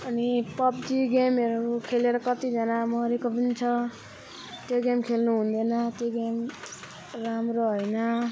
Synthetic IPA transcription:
ʌnipʌpd̪iɡemeɾukʰeleɾʌkʌt̪id͡zʌnamʌɾekopʌnit͡sʰʌ | t̪joɡemkʰelnuɦund̪ʌnʌt̪joɡem | ramɾoɦʌjnʌ

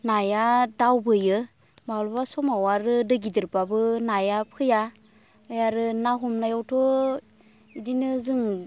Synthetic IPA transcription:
najadawbɯjɯ | malbasɔmawaɾɯdɯɡidɯɾbabɯnajapʰɯja | ɯjaɾɯnaɦumnajawtʰɔ | idinɯzɯŋ

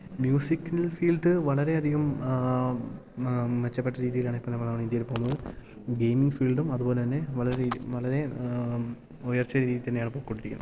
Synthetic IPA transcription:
mjuːsikːnɐlfiːlɖɨʋɐɭɐɾe̞ɐd̪ʱiɣɐm | ʋet͡ɕːɐpːeʈːɐɾiːðijilaːɳɨipːɐmnɐmːɐnɐmːɐɳiðijɐɾepoːmːuɣɐɭ | ɡejmiŋɡfiːlɖumɐðuboːlet̪ɐnːe̞ʋɐɭɐɾeʋɐɭɐɾe̞ | ojɐrt͡ɕːɐɾiːðit̪ɐnːejaːɳɨpo̞ːkːkoɳʈːiɾikʲːunːɐð

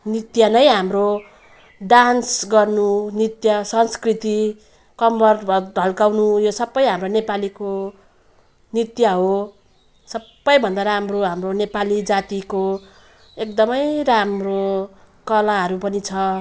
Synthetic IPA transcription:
nit̪jʌnʌjɦamro | ɖansɡʌrnunit̪jʌsʌnskrit̪i | kʌmbʌrbʌdʱʌlkawnujosʌbːʌjɦamronepaliko | nit̪jʌɦo | sʌbːʌjbʱʌnd̪aɾamroɦamronepalid͡zat̪iko | ek̚d̪ʌmʌjramro | kʌlaɦʌɾupʌnit͡sʰʌ

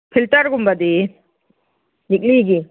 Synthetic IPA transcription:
pʰiltaɾɡumbad̪i | nik̬̚liɡi

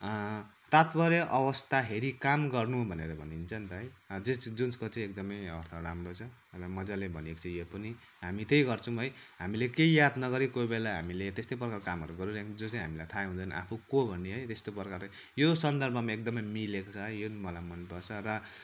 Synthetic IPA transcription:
t̪at̪bʌɾeʔʌwʌst̪ʰaɦeɾikamɡʌrnubʱʌneɾʌbʱʌnint͡sʰʌnt̪ʌɦʌjd͡zed͡zunskot͡saĩek̚d̪ʌmʌjʌɾt̪ʰʌramrot͡sʰʌ | rʌmʌd͡zalebʱʌniekt͡sʰʌjopʌni | ɦamit̪ejɡʌrt͡sʰʌ̃ɦʌjɦamilekeijad̪nʌɡʌɾikojbelaɦa̰milet̪est̪oprʌkarkamɦʌɾuɡʌɾuɾd͡zot͡sãɦamilajt̪ʰaɦund̪ʌjnʌ̰ʔa̰pʰukobʱʌnːeɦʌjt̪est̪oprkar | josʌnd̪ʌrbʱʌmaek̚d̪ʌmʌjmilekot͡sʰʌɦʌjjonimʌlajmʌnpʌt͡sʰʌrʌ

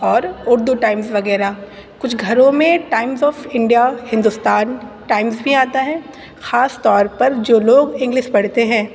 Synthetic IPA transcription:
ɔːɾʊɾd̪uʈaːɪmzʋɐɣɛːɾa | kʊt͡ʃʰɡʱɐɾõmẽʈaːɪmzɔːfɪ̃ɳɖijahɪ̃nd̪ʊst̪aːn | ʈaːɪmzbʱiaːt̪aɦɛ̃ː | xaːst̪ɔːɾpɐɾd͡ʒoːloːɡɪ̃ŋɡlɪʃpɐɽ̤t̪eɦɛ̃ː

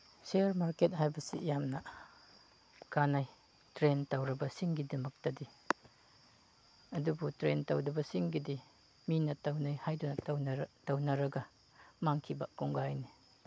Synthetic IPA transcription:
seɾmaɾket̚hajbɐsḭjamnɐ | kanaj | tɾentawɾɐbɐsiŋɡidɐmɐk̚tɐdi | ɐdubutɾentawdɐbɐsiŋɡidi | minɐtɐwnajhajdunɐtɐwnɐɾɐɡɐ | maŋkʰibɐkuŋɡajni

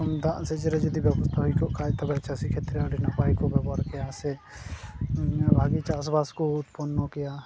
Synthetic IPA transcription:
ɔmd̪ãʔsɛd͡ʒɛɾɛd͡ʒɔd̪ibjɛbɔst̪ʰaɦujkɔʔkʰat̪abɛt͡ʃasikʰet̪ɾɛaɖinapajkɔbɛbɔɾkɛjasɛ | laɡit͡ʃasbaskɔʊt̪pɔnːɔkɛja

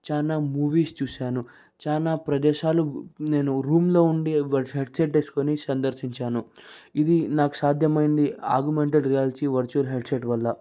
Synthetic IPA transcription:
t͡ʃaːnaːmuːʋiːst͡ʃuːʃaːnu | t͡ʃaːnaːpɾɐd̪ɛːʃaːlune̞ːnuɾuːmlo̞ːuɳɖiʋɐɦeɖseʈːeːsu̥konisɐnd̪ɐɾsiɲt͡ʃaːnuid̪inaːku̥saːd̪ʱjɐmɐjind̪ia̰ːɾɡumeɳʈeɖɾijaːliʈiʋɐɾt͡ʃuɐlɦeɖseʈʋɐlːɐ

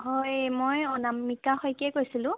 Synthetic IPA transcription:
ɦojmojɔnamːikaxojkɛkojsilʊ̃

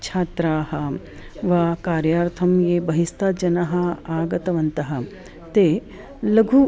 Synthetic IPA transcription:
t͡ʃʰaːt̪ɾaːhɐ | ʋaːkaːɾjaːɾt̪ʰɐmjeːbɐɦist̪aːd͡ʒɐnɐɦɐaːɡɐt̪ɐʋɐnt̪ɐɦɐ | t̪eː | lɐɡʱu

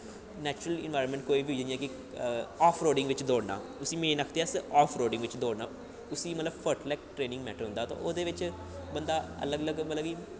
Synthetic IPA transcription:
nɛːt͡ʃɾəlɪ̰nʋaːjɾənmɛ̃ɳʈkoːiːbʱiːod͡ʒnĩjãːkɪ | ɔːpʰɾoːɖɪ̃ŋɡʋɪt͡ʃd̪oːɽna̰ːʊsĩːmẽːnəkʰt̪eaːsɔːpʰɾoːɖɪ̃ŋɡʋɪt͡ʃd̪oːɽnaː | ʊsiːmət̪ləbpʰəɾʈəlɛːk̚ʈɾeːnɪ̃ŋɡmɛːʈəɾɦʊ̃nd̪aːt̪õ̰ːʔoːd̪eːʋɪt͡ʃ | bənd̪aːə̰ləɡələɡmət̪ləbiː

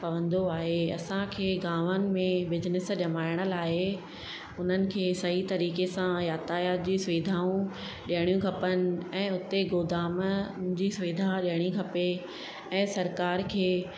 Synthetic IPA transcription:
pɐʋə̃nd̪oaːɦeɐ̰sãkʰeːɡaːʋənɪ̆mẽbɪd͡ʑnɪsɗɐmaːɪɽ̃ə̆laːɦe | ʊn̤ənɪ̆kʰeːsɐɦit̪ɐɾiːkesãjaːt̪aːjaːt̪̚d͡ʑiːsʋiːd̪ʱaːũ | ɗijəɽ̃ijũkʰɐpənɪ̆ɛ̃ːʊt̪eɡoːd̪aːmd͡ʑiːsʊʋiːd̪ʱaɗiɦəɽ̃ĩkʰɐpe | ɛ̃ːsɐɾkaːɾkʰeː

